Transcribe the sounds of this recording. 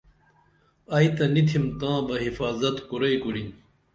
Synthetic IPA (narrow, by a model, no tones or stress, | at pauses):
ɐit̪ɐnit̪ʰimt̪ãːbɐɦifaːzɐt̪kuɾɐjkuɾin